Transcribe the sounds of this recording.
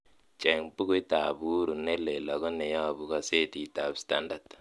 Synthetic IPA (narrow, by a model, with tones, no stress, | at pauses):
t͡ʃe˨ŋpu˦ku˦i˦ta˨bu˦ɾu˨nːe˦le˨la˨ɡɔ˦nːe˨ja˦˨bu˦ka˨se˦ti˨ta˨bsta˦nda˨t